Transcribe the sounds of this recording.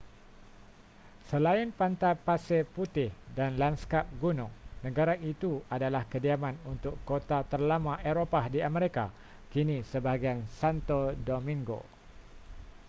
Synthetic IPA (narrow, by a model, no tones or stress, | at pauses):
səlaɪnpant̪apaseput̪ɪhdanlanskap̚ɡunʊ̃ŋnə̃ɡaɾait̪uadalahkədiamãnunt̪ʊkːot̪at̪ərlamãʔeɾopahdiaməɾika | kinisəbaɡiansant̪odomĩŋɡo̰